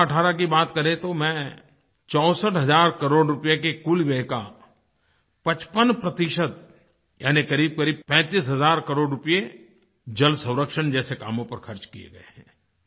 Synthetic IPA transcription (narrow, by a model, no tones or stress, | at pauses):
ɐʈʰaːɾak̬ibaːt̪kɐɾet̪omɛ̃ː | t͡ʃɔːsəʈɦɐzaːɾkɐɾoːɖɾʊpijekekulʋɛːɦka̰ | pɐt͡ʃpənpɾɐt̪ɪʃət̪ | ja̰ːnikɐɾiːb̚kɐɾiːb̚pɛ̃ːt̪iːs̬ɦɐzaːɾkɐɾoːɖɾʊpije | d͡ʒɐlsɐ̃ʊ̃ɾəkʃənd͡ʒɛːseka̰ːmõpɐɾxʰɐɾt͡ʃkiḛɡɐḛɦɛ̰̃ː